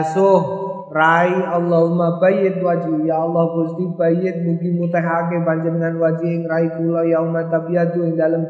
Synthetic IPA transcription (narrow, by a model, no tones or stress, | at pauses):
sʊɦ | raialːɔɦumabajɪt̪̚wad͡ʒijaːlːɔhpʊɾst̪ibəjɪt̪̚muɡimut̪ɛɦak̬ebaɲd͡ʒadəŋanwad͡ʒiɪŋɾaikulɔjaumat̪abiat̪uɪŋdaləm